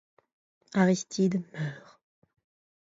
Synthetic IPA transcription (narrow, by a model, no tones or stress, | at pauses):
aʁist̪ʰid̪mœːʁ